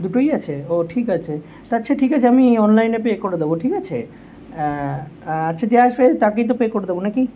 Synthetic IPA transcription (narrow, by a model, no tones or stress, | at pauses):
d̪uʈojat͡ɕʰeoʈʰikat͡ɕʰe | t̪atːɕʰaʈʰikat͡ɕʰeamiɔnlajnepekoɾed̪eboʈʰikat͡ɕʰe | atːʃʰad͡ʑeaʃbet̪akejt̪̬opekoɾed̪ebonaki